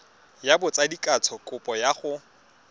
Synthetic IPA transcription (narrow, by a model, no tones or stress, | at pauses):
jabʊt͡sʼadikʼat͡sʰɔkʼʊpʼɔjaχʊ